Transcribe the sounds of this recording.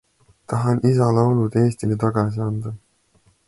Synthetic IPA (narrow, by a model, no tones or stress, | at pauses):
t̪ɑɦɑnʔis̬ɑlɑolud̪e̞ːst̪ilet̪ɑɡ̥ɑs̬iɑnd̪̥ɑ